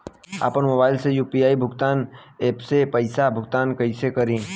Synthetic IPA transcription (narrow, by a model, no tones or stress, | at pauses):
a̰ːpənmobaːɪlsejuːpiaːibʱʊɡt̪aːneːpsepɐɪsabʱʊɡt̪aːnkɐɪsekɐɾĩː